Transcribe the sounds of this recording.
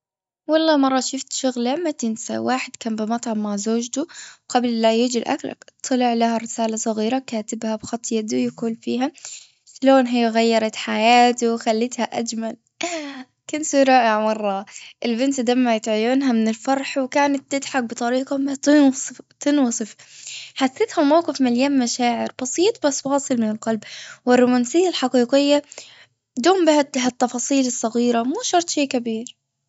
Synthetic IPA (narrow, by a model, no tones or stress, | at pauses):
wɑlˤːɑːmɑrˤːɑʃɪft̪ʃʊɣlamat̪ɪnsa̰wʔaːħɪd̪̥kaːmbɪmɑt̪ˤʕɑmaʕzoːd͡ʒt̪uwqablːajɪd͡ʒɪlʔa̰kla̰t̪ʰˤːɨlɪʕlahaɾɪsaːlasˤɑɣiːɾakaːt̪ɪbhabxɑt̪ˤjad̪ujaquːlfiːɦa | ʃloːnɦɪjːaɣajːɑɾˤɑt̪ħajaːt̪uwxalːɪt̪haʔad͡ʒmal | kansuɾɑːʔɪʕmɑrˤːɑʔɪlbɪnt̪d̪aːmːajɪt̪ʕʊjʊːnɦamɪnɪlfɑɾˤħwɪkaːnat̪ːɪd̪ħak̚bɨt̪ˤɑɾiːqɑmat̪t̪ɪnwɨsˤɨfħasːɪt̪hamawqɨfmɪljaːmmaʃaːʕɪɾb̥ɑsˤiːt̪ˤbasːwɑːsˤɨlmɪnɪlqɑlbwɪrˤːʊmansɪjːalħɑqiːqɪjːa | d̪uːmbɪhaɦat̪ːɑfɑːsˤiːlɪsˤːɑɣiːɾamuːʃɑɾˤt̪ˤʃeːkabiːɾ